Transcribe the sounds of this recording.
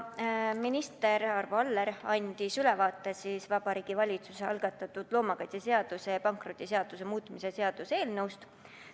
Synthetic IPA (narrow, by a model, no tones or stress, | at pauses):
minist̪e̞ɾɑrvɑlːeɾɑnʲd̪̥isylɛvɑːt̪ːˑesiːsvɑbɑɾiːɡ̥ivɑlʲit̪suseɑlɡ̥ɑt̪ːˑɑt̪ːˑud̪̥lo̞ːmɑkɑjt̪ʲese̞ɑd̪̥use̞jɑpɑŋkro̞t̪ʲːˑise̞ɑd̪̥use̞muːt̪ːˑmise̞se̞ɑd̪̥use̞ːlnɤwst̪